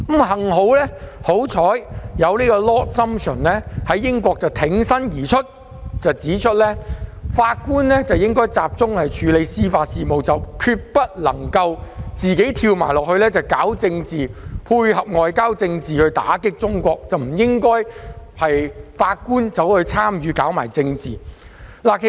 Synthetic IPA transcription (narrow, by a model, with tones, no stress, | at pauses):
mhɐ˨˩ŋɦo˨˥wlɛː˥ho˨˥wt͡sʰɔː˨˥jjɐ˨˧wniː˥kɔː˧lɔː˥t̚sɐ˥msɵ˨˩nlɛː˥hɐ˨˥jːɪ˥ŋkʷɔː˧k̚t͡sɐ˨˩wt̪ʰɪ˨˥ŋsɐ˥njiː˨˩t͡ʃʰɵ˥t̚ | t͡sɐ˨wt͡siː˨˥t͡ʃʰt̚lɛː˥faː˧t̚kuː˥nlɛː˥t͡sɐ˨wjɪ˥ŋkɔː˥jt͡saː˧˨p̚t͡sʊ˥ŋhɐ˨jt͡ʃʰyː˨˥le˨˧jsiː˥faː˧t̚siː˨mo˨wt͡sɐ˨wkʰyː˧t̚pɐ˥t̚lɐ̰˨˩ŋkɐ˧wt͡siː˨ke˨˥jt̪ʰiː˧wma̰ː˨˩jlɔː˨k̚hɵ˧lɛː˥t͡sɐ˨wkaː˨˥wt͡sɪ˧ŋt͡siː˨pʰuː˧jhɐ˨p̚ŋɔː˨˧jkaː˥wt͡sɪ˧ŋt͡siː˨hɵ˧ɥt̪a̰ː˨˥kɪ˥k̚t͡sʊ˥ŋkʷɔː˧k̚t͡sɐ˨wm̩˨˩jɪ˥ŋkɔː˥jhɐ˨jfaː˧t̚kuː˥nt͡sɐ˨˥whɵ˨˧ɥt͡sʰaː˥mjyː˨˧kaː˨˥wmaː˨˩jt͡sɪ˧ŋt͡siː˨˩ | la˨˩kʰe˨